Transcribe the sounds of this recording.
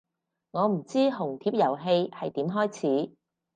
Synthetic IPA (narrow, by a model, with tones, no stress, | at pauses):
ŋɔː˨˧m̩˨˩t͡siː˥ɦʊ˨˩ŋt̪ʰiː˨˥p̚jɐ˨˩wɦe˧jhɐ˨jt̪iː˨˥mɦɔː˥jt͡sʰiː˨˥